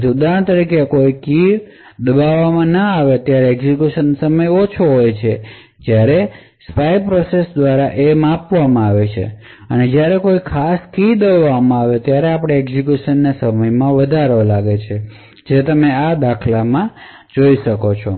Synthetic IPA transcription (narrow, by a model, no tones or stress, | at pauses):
d͡ʒud̪ant̪əɾikekoiki | d̪əbaʋamãnəaʋeət̪jaɾeːɡzikjuʃənsəməjot͡ʃʰoɦojt͡ʃʰe | d͡ʒjaɾe | spajpɾɔsesd̪ʋaɾaʔemãpʋamãaʋet͡ʃʰḛ | əned͡ʒjaɾekoikʰaskid̪əʋʋamãaʋet̪jaɾeapɽ̃eeɡzikjuʃənːasəməjmãʋəd̪ʱaɾolaɡet͡ʃʰe | d͡ʒet̪əmead̪akʰlamã | d͡ʒoiʃəkot͡ʃʰo